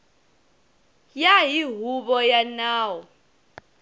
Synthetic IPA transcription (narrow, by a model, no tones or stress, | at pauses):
jaɦiɦuβɔjanaːwɔ